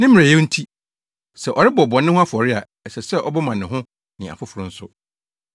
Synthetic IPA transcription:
nɪ̃˦m̃˨a˨jɛ˦n̩˦tʰi˦ | sɛ˨ʔɔ˨ɾɪ˦bɔ˨bɔ̃˨nːɪ̃˦hʊ̃˦a˦fʊ˨ɔ˨ɾɪ˦a˨ | ɛ˨sɛ˨sɛ˦ʔɔ˦bɛ˦mã˨nɪ̃˨ɦʊ̃˦ | nɪ̃˨a̰˨fʊ˦fʊ˨ɾʊ̃˦n̩˦sʊ˦

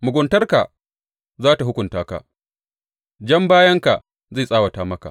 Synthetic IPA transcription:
mʊ˨ɡʷʊ˨ntɐ˦rka̰˨ | zaː˦ta˨ɦʊ˦kʷʊ˨ntaː˦ka̰˨ | d͡ʒɐ˦mbaː˦jɐ˦ŋka˨ | za˦˨sʼaː˦wa˨taː˨˦mɐ˦ka̰˨

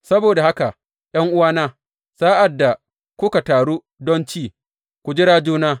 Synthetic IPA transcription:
sɐ˦boː˨da˨ha˦ka˨ʔ | ʔj̰ɐ˦ŋʔʊ˦waː˦naː˦ | saː˦ʔa˨dːa˨ | kʷʊ˦ka˨taː˨ɽuː˦ | dɔ˦nt͡ʃiː˦˨ | kʷu˨d͡ʒɪ˦ɽaː˦d͡ʒuː˦naː˦

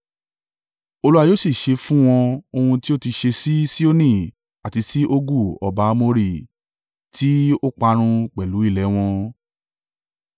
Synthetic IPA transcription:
o˧lu˦a˧joː˦si˦˨ʃe˧fũ˦w̃ɔ̃˧o˧hũ˧ti˦o˦ti˧ʃe˧si˦si˦o˦nĩ˦˨ | a˨ti˧si˦ʔo˦ɡu˦˨ɔ˧ba˨˦mo˧ɾi˦˨ | ti˨˦o˦k͡pa˧ɾ̃ũ˧k͡pɛ˨lu˨˦i˦˨lɛ˨˦w̃ɔ̃˧

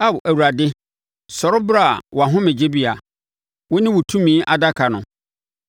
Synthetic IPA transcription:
a˦˨wʔæ˨wu˨ɾa˨dɪ˦ | sɔ˨ɾʊ˦bɾa̰˦˨wɔ˨a˨ɦʊ̃˦mɪ̃˨d͡ʑe˦bi˦a˨ | wɔ˦nɪ̃˦wʊ˨tʰũ˦mĩː˦ʔa˨da˦kʰa˨nʊ̰̃˨

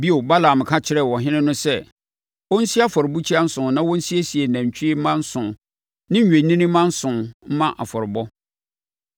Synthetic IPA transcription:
bi˦o˨ba˦la˨m˨kʰa˦t͡ɕʰɪ˦ɾɛ˨wɔ˨ɦɪ̃˦nɪ̃˦nʊ̃˦sɛ˦˨ | wɔ˦n̩˦si˦a˦fɔ˨ɾɪ˨bu˦t͡ɕʰi˦a˦n̩˦sʊ̃˨nã˦wɔ̃˦n̩˦si˦e˦si˨e˨næ̃˨ɲ˨t͡ɕʰᶣi˦e˦mã˦n̩˦sʊ̃˨ | nɪ̃˦ɲ̩˦˨ɥe˨nĩ˦nɪ̃˦mã˦n̩˦sʊ̃˨m̩˦mã˦ʔa˨fɔ˨ɾɪ˨bɔ˦

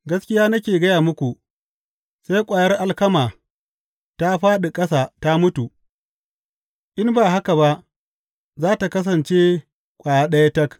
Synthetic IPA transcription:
ɡɐ˦skʲɪ˦jaː˦nɐ˦kʲeː˨ɡɐ˦jaː˨mʊ˦kʷu˨ | sa˦jkʷʼaː˨jɐ˦rʔa˦lkɐ˦maː˨ | ta˦ɸaː˦ɗe˨kʼɐ˦sa˨ta˦mʊ˦tu˨ | ʔɪ˦mbaː˨ɦa˦ka˨ba˦ʔ | zaː˦ta˨kɐ˦s̬ɐ˨nt͡ʃe˦ | kʷʼaː˨ja˦ɗɐ˦ja˦tɐ˦k

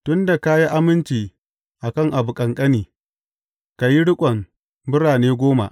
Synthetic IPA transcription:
tʊ˦nda˨ka˦ji˦ʔa˦mɪ˦nt͡ʃiː˨ | ʔa˨kɐ˦ŋʔa˨bu˨kʼɐ˨ŋkʼɐ˦niː˨ | ka˨ji˦ɽʊ˦kʷʼɐ˨m | bɪ˦ɽaː˨neː˦ɡʷoː˦ma̰˨ʔ

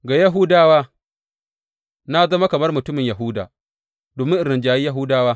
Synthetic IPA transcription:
ɡa˨jɐ˦ɦʊ˦daː˦waː˦ | na˦zɐ˦ma˦kɐ˨mɐ˦rmʊ˨tʊ˦mɪ˨ɲjɐ˨ɦʊ˦da̰ː˨ | doː˨mɪ˦ŋʔɪ˨ɾɪ˨nd͡ʒaː˨ji˦ja˦ɦʊ˦daː˦waː˦

